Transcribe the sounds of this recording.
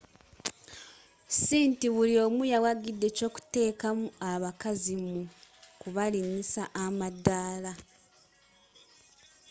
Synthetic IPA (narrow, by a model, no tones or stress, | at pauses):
siːntiβulio̞ːmujawaɡidːe̞co̞ːku̥te̞ːkamuaβakazimukuβaliɲisaʔːmadːaːla